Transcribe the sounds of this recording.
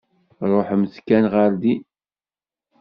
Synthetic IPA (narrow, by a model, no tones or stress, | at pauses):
ɾˤoħmθkænʁəɾd̪i